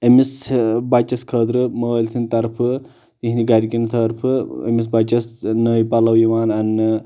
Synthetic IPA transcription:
emisbɐt͡ʃɐskʰəːd̪ɾɨmɐəlʲsʰint̪ɐɾpʰɨ | t̪iɦniɡɐɾikint̪ʰɐɾpʰɨḛmis̬bɐt͡ʃɐsnəipɐlɐwjiʋaːnɐn

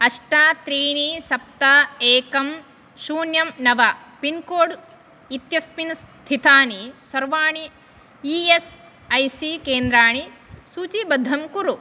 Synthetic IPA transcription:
ɐʂʈaːt̪ɾiːɳisɐp̚t̪aeːkɐm | ʃuːnjɐmnɐʋɐ | pinkoːɽ | it̪jɐspinɐst̪ʰit̪aːnisɐɾʋaːɳi | ies | ɐjsikeːnd̪ɾaːɳisuːt͡ʃibɐd̪ʱɐmkuɾu

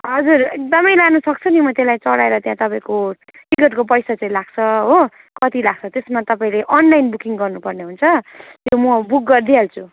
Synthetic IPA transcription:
ɦʌd͡zurek̚d̪ʌmʌjlanʌsʌk̚t͡sʰʌnimʌt̪elajt͡sʌɽaeɾʌt̪jãt̪ʌpãĩko | ʈikʌʈkop̬ʌjsat͡sãĩlaɡ̚t͡sʰʌɦo | kʌt̪ilaɡ̚t͡sʰʌt̪esmat̪ʌpaĩleʔʌnlajnbukiŋɡʌrnupʌrneɦunt͡sʰʌj̪jomʌbuk̚ɡʌrd̪ʱialt͡sʰu

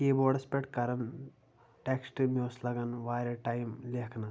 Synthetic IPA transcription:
keboɽɐspʲeʈkɐɾɐn | ʈeksʈmoːslɐɡɐnʋaːɾʲeʈajmlʲeɦkʰnɐ

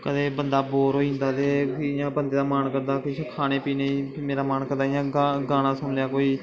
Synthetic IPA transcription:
kəd̪eːbənd̪aːboːɾoːĩːnd̪aːt̪eːãːbənd̪eːd̪aːmaːnkəɾd̪aːkʊʃkʰaːñeːpiːneːimeːɾaːmaːnkəɾd̪aːɪjãːɡaɡaːɽ̃aːsʊnlɪjaːkoːiː

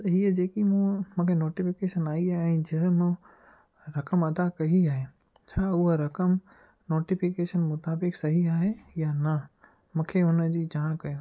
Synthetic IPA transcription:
ɦiːəd͡ʑeːkimũmũkʰenoːʈifɪkeːʃənaːiaɛ̃ːd͡ʑɐɦmʊ̃ | ɾɐkəmɐd̪akɐɦiaːɦe | t͡ɕʰaːʊɦoɾɐkəm | noːʈɪfɪkeːʃənmʊt̪aːbɪksɐɦiaːɦejanɐ | mũːkʰeʊnə̆d͡ʑiːd͡ʑaːɽ̃kɐjõː

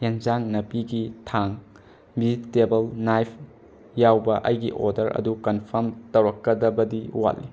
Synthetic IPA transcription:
jend͡ʒaŋnɐpiɡitʰaŋ | bizitːebɐlnajpʰ | jawbɐʔɐjɡiʔoɾdɐɾʔɐ̰dukɐnpʰɐɾmtɐwɾɐkːɐdɐbɐdiwa̰lːi

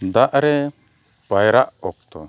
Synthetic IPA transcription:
d̪aʔɾɛ | bajɾaʔɔk̚t̪ɔ̰

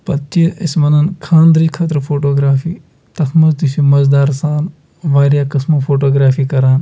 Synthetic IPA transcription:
pɐtt͡ʃiismɐnɐnkʰãːnd̪ɾikʰɐt̪ɾəfʰoːʈoːɡɾaːfiː | t̪ɐxʰmɐzd̪isuːmɐzd̪aːɾsaːn | ʋaːɾjaːkɐsmoːpʰoːʈoːɡɾaːfiːkɐɾaːn

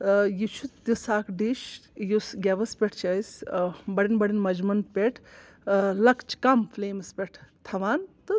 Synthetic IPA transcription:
jit͡ʃʰut̪isaːkɖiʃjusɡʲeʋɐspʲɛʈʰt͡ʃʰɐjsbɐɽinbɐɽinmɐd͡ʒmɐnpʲeʈʰ | lɐkt͡ʃʰkɐmfleːmɐspʲeʈʰt̪ʰɐʋaːnt̪ɨ

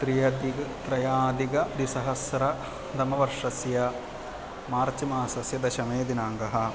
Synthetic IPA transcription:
t̪ɾijɐd̪it̪ɾɐjaːd̪iɡɐd̪isɐɦɐsɾɐ | d̪ɐmɐʋɐɾʂɐsjɐ | maːɾt͡ʃimaːsɐsjɐd̪ɐʃɐmeːd̪inaːŋɡɐɦɐ̆

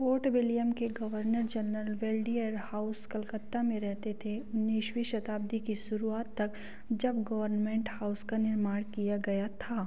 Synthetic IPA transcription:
poːɾʈʋɪlijəmkeɡɐʋəɾnəɾd͡ʒɐɾəlʋeːlɖijəɾhaːʊskɐlkət̪ːamẽɾɛɦt̪et̪ʰeʊnːiʃʋiʃɐt̪aːb̚d̪ikisʊɾuaːt̪ːɐk | d͡ʒɐbɡɐʋəɾnmẽːɳʈhaːʊskanɪɾmaːɽ̃kijaɡɐjat̪ʰaː

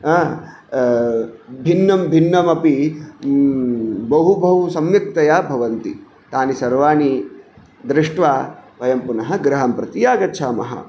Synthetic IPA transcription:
bʱinːɐmbʱinːɐmɐpi | bɐɦubʱɐʋusɐmjɐk̚t̪ɐjaːbʱɐʋɐnt̪ḭ | t̪aːnisɐɾʋaːni | d̪ɾɪʂʈʋaːʋɐjɐmpunɐɦɐ̆ɡɾɐɦɐmpɾɐt̪ijaːɡɐt͡ʃʰaːmɐ̰ɦɐ̰

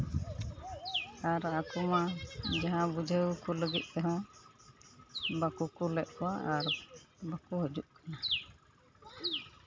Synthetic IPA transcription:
aɾakumad͡ʒaɦãbud͡ʒʱəwkuləɡit̪̚ˀt̪ɛɦɔ̃ | bakukulɛʔ̚kɔwaʔaɾ | bakuɦəd͡ʒuʔkana

